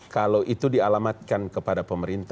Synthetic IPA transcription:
kalawʔit̪udialamat̪̚kankəpadapəməɾint̪

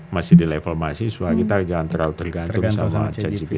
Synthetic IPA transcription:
masɪdilefɔrmasisuakit̪ad͡ʒaŋant̪əɾaut̪ərɡant̪ʊŋsamat͡ʃad͡ʒipi

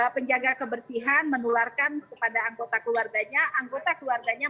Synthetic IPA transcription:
pəɲd͡ʒaɡakəbərsiɦanmənularkankəpadaːŋɡot̪akəluwarɡaɲaʔaŋɡot̪akəluwarɡaɲa

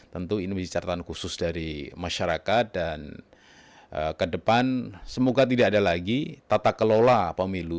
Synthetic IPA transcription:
t̪ənt̪uinoisit͡ʃaɾt̪ankusʊsdaɾimaʃaɾakat̪̚dan | ʔə̰kədəpansəmoɡat̪̬idaːdalaɡit̪at̪akəlolapəmilu

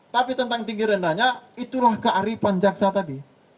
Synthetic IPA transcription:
t̪apit̪ənt̪aŋt̪iŋɡiɾəndaɲait̪ulahkaʔaɾipaɲd͡ʒaksat̪adi

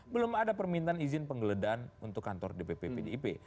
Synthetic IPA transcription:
bəlʊmadapərmint̪aːnizɪnpəŋɡələdaːnunt̪ʊkːant̪ɔrdepepepedeipe

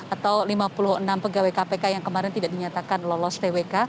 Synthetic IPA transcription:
at̪awlimapuluhənampəɡawajkapekajaŋkəmaɾɛnt̪idaʔ̚diɲat̪akanlɔlɔst̪eweka

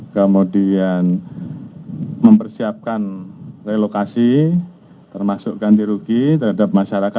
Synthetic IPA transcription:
kəmudian | məmpərsiap̚kanrelokasi | t̪ərmasʊʔkandiɾukit̪ərhadap̚maʃaɾaka

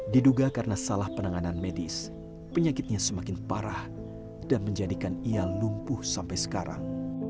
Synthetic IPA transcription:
diduɡakaɾənasalahpənaŋananmedɪs | pəɲakɪt̪̚ɲasəmakɪnpaɾah | danməɲd͡ʒadikanialumpʊhsampajsə̥kaɾa̰ŋ

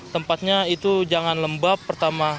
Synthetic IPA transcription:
t̪əmpat̪̚ɲait̪ud͡ʒaŋanləmbapːərt̪ama

